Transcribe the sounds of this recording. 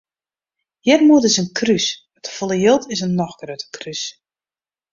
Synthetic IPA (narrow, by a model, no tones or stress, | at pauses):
jɛrmuətɪsənkʰrys | ətfolˠəjɪlˠtʰɪsənːɔxɡ̥røːtə̥kʰrys